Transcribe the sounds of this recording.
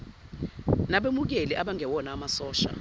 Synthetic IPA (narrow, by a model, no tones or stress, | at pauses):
naɓemuk̬eliʔaɓaŋʱɛwɔnaːmasɔːʃa̰